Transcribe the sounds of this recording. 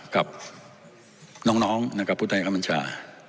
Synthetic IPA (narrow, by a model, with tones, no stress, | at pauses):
ka˨˩p̚ | nɔː˦˥ŋnɔː˦˥ŋna˧˥kʰa˧˩pʰːuː˦˥˩t̪ʰa˧ja˧ka˦˥ma˧˦nt͡ɕʰa̰ː˧